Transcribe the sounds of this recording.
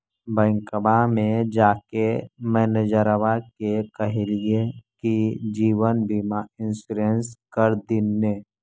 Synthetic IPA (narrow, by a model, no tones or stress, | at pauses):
bə̃ŋkəbamẽd͡ʒaːkemɛːned͡ʒəɾəʋakekəɦelijekid͡ʒiːʋənbʱimaɪnsuɾenskəɾd̪ɪnːe